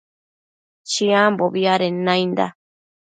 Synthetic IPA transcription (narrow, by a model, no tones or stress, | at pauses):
t͡ʃiãmboβiaɾenãjnd̪a̰